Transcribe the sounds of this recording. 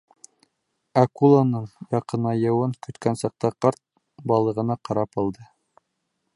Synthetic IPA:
ækulˠanɤɴjɑqɤ̆nɑjɤ̆wɤɴkɵ̆t̪kænsɑq̚t̪ɑqɑɾt̪̚ | bɑlˠɤ̆ʁɤ̆nɑqɑɾɑpɑlˠd̪ɤ

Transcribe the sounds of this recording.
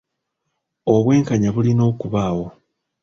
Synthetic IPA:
o̞βwe̞ːŋkaɲaβulino̞ːkuβaːwo̞

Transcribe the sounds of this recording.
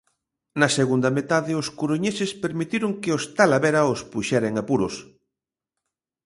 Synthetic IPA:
nɐseɣund̪ɐmet̪aðɪoskuɾoɲesɪspeɾmit̪iɾoŋkeost̪alaβeɾɐospuʃɛɾeŋapuɾos

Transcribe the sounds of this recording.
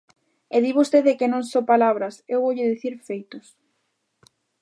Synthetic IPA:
eðiβost̪eðekɪnõŋsopalaβ̞ɾɐsewβowʎɪðiθiɾfejt̪ʊs

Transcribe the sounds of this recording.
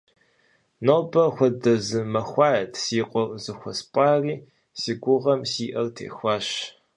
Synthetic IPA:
noːbɐxʷɔdɐzɨmɐxʷɑːjɐtʰsiːqʷʼɔrzɨxʷɐspʼɑːriː | siɡʷʊʁɐmsiːʔɐrtʰḛːxʷɑːʃ

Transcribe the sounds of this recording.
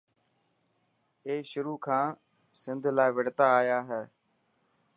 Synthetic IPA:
eːʃʊɾuːkʰãː | sɪnd̪ʱlaːɪʋəɽt̪aːaːjaːɦɛː

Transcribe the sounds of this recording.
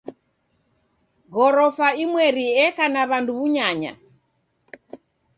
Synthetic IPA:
ɣɔɾɔfaimwɛɾiɛkanaβanduβuɲaɲa̰

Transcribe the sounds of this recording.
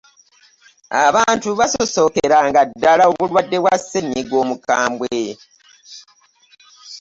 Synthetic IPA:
a̰βaːntuβasoso̞keɾaŋɡadːalaoβulwadːe̞βwasːeɲːiɡwo̞ːmuka̰ːmbwe̞

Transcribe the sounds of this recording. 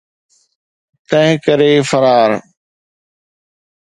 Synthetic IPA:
t̪ɐ̃ɦɪ̃kəɾeːfɐɾaːɾ

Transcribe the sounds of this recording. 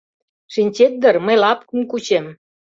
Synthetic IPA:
ʃinʲt͡ɕet̪̚d̪ə̆rmə̆jlɑpkunkut͡ɕem

